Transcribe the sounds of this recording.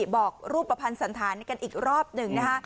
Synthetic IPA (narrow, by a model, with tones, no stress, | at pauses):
bɔː˨˩k̚ɾuː˥˩pːa˧pʰa˧nsa˩˦nt̪ʰaː˩˦nka˧nʔiː˨˩k̚ɾɔː˥˩p̚nɯ˨˩ŋna˦˥kʰa˦˥ʔ